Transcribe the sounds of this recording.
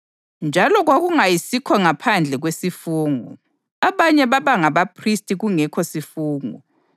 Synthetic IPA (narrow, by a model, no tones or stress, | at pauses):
nd͡ʒʱalɔɣwaɣuŋajisikʰɔŋapʰand͡ɮʱɛɣwesifuːŋṵ | aβaɲɛβaβaŋaβapʰristʼiɣuŋɛkʰɔsifuːŋṵ